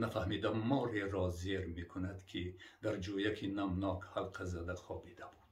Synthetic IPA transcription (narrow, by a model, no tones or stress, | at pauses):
nafahmid̪amːɔːɾeɾɔzeɾmekʰunad̪kʰid̪aɾd͡ʒojakʰinamnɔkhalqʰazad̪aχɔbid̪abu̥d̪̥